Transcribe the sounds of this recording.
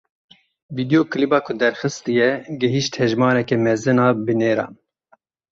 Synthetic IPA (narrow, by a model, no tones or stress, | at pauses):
viːd̪ijoːkʰɨlibɑːkʰʊd̪ɛɾxɨst̪ɨjɛɡɪɦiʃt̪hɛʒmɑːɾɛkɛmɛzɨnɑːbɨneːɾɑ̰ːn